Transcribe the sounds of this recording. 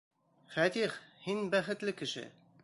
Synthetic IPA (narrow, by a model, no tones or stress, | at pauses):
fæt̪iχhinbæχɘ̆t̪lɘkɘ̆ʃɘ̰